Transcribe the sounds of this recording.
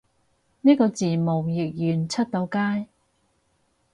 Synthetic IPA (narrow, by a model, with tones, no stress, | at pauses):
niː˥kɔː˧t͡siː˨˩mo˨˩wjɪ˨k̚jyː˨˩nt͡sʰɐ˥t̚t̪o˨˧wkaː˥j